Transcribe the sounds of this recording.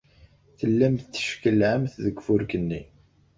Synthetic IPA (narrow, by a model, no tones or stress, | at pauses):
θəlːæmθt͡sːə̥ʃkəlʕəmθðəɡʷfʊɾkənːi